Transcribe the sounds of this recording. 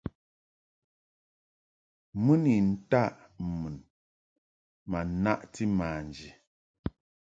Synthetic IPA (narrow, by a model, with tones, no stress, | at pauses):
mu˦ni˨n̩˨ta˦˨ʔmu˨n | ma˨na˦ʔti˦ma˨n˨d͡ʒi˨